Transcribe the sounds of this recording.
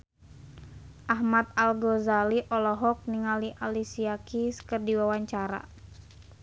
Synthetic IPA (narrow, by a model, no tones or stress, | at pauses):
ʔaɦmat̪̚alɡɔzaliʔɔlɔɦɔk̚niŋaliʔalisiakiskərdiwawaɲt͡ʃaɾa̰